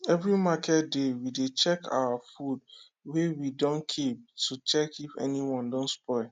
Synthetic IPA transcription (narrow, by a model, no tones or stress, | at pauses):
ɛvɾimakʰɛt̚dewidet͡ʃɛkʰa̰wafud | wewidɔ̃nkʰip̚tʰut͡ʃɛkifɛ̰niwɔ̃ndɔ̃ntspɔɪ